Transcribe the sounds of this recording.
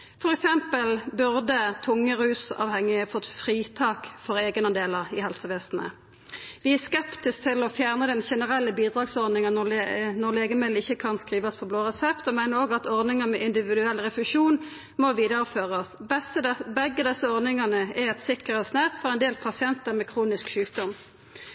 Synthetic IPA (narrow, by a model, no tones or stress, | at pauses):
fɔʁɛksɛmpəlbʉʁd̪ət̪ʰʊŋːəʁʉːsɑ̰ːʋhɛŋːɪfɔt̪fʁiːt̪ʰɑːkfɔʁeːɡənɑd̪eːləʁɪhɛlsəʋeːsnə̰ | ʋɪæskɛpt̪ɪsk̚t̪ʰɪlɔfjæːʁnəd̪ɛnʃɛnəʁɛlːəbiːd̪ɾɑːɡsɔʁd̪ɪŋənɔlnɔʁleːɡəmɪlːɪçːəkʰɑnskʁiːʋɑspʰɔbloːʁɛsɛpt̪ɔmæɪnəɾoːɡəɑt̪ɔʁd̪ɪŋəmɛʔɪnd̪ɪʋɪd̪ʉɛlːʁɛfʉʂuːn | mɔʋiːd̪əʁəføːʁɑsbsəbɛɡəd̪ɛsːəɔʁdnɪŋɑnəɛɛt̪sɪkəʁɛt̪snæʁt̪fɔʁɛɪnd̪eːlpʰɑsɪɛnt̪əʁmɛkʰʁuːnɪskʃʉːk̚d̪ɔm